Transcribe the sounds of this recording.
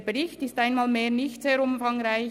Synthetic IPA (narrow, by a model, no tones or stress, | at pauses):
beɾɪçtɪstaɪnmaːlmeːɾnɪçtz̥eːɾʊmfaŋɾaɪ